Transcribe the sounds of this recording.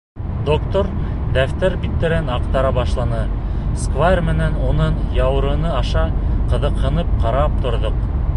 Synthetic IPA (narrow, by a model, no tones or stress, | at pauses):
d̪okt̪oɾ | d̪æft̪æɾbit̪ːɘ̆ɾɘnɑqt̪ɑɾɑbɑʃlˠɑnɤ | skvarmɘ̆nænunɤɴjɑwɾɤ̆nɤɑʃɑqɤ̆ðɤ̆qhɤ̆nɤp̚qɑɾɑp̚t̪ŏɾðoq